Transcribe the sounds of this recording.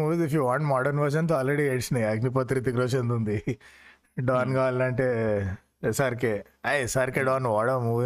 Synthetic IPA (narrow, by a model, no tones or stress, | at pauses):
uːʋzifjuʋaːɳʈmaːɖɐɾnʋɐɾʃɐnt̪̬oaːlɾeɽieʈsnɐɐɡnip̬ɐt̪ɾit̪ikɾɐt͡ʃend̪und̪i | ɖaːnɡaːlɐɳʈeː | sɐɾkeː | ɐjsɐɾkeɖaːnʋaːɽɐmuːʋ